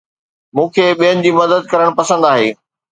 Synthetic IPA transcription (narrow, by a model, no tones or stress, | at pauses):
mũːkʰeːɓijənɪ̆d͡ʑiːmɐd̪əd̪̚kɐɾəɽ̃pɐsə̃nd̪aːɦeː